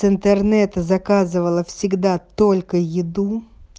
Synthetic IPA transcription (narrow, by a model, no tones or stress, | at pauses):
ɨnt̪ərnɛt̪əzɐkazɨvəlˠəfsʲɪɡd̪at̪olʲkəjɪd̪u